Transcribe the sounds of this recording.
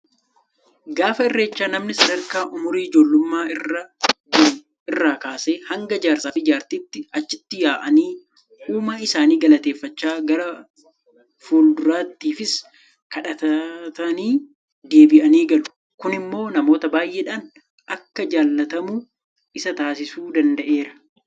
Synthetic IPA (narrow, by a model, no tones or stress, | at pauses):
ɡaːfɐɪrːe̞ːt͡ʃːaːnɐmnɪsɐd̪ɐɾkaːʔʊmʊɾiːɪd͡ʒo̞ːlːʊmːaːɪrɐ | ɪrːaːkaːse̞ːhɐŋɡɐd͡ʒaːɾsaːfɪd͡ʒaːɾt̪iːt̪ːɪɐt͡ʃːɪt̪ːɪjaːʔɐniː | huːmaɪsaːniːɡɐlɐt̪eːfːɐt͡ʃːaːɡɐɾɐ | fuːld̪ʊɾaːt̪ːiːfɪs | kɐᶑɐt̪ɐt̪ɐniː | d̪e̞ːbɪʔɐniːɡɐlʊ̥ | kʊnɪmːo̞ːnɐmo̞ːt̪ɐbaːjʔeːᶑaːn | ʔɐkːɐd͡ʒaːlːɐt̪ɐmu | ʔɪsɐt̪aːsɪsuːd̪ɐnd̪ɐʔe̞ːɾɐ̥